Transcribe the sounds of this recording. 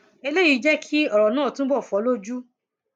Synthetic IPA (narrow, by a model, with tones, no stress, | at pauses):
e˧le˦ji˨˧˦d͡ʒɛ˦kʰi˦ɔ˦˨ɾɔ˨nãː˦˨tũ˦bɔ˦˨fu˨ɔ˨˦lo˦d͡ʒu˦